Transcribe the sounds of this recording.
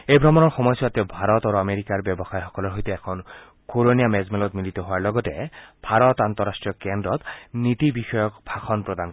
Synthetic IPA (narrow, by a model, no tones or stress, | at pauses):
ejbʱɾɔmɔnɔɹxɔmɔjsat̪ebʱaɾɔt̪aɾoameɾikaɹbɛbɔxajxɔkɔlɔɾɦojt̪eɛkʰɔn | koɾoniamɛzmelɔt̪milit̪ɔɦoaɹlɔɡɔtebʱaɾɔt̪ant̪ɔɾasʈɹiɔkɛndɔt̪nit̪ibixɔjɔkbʱaxʰɔnpɹɔd̪ank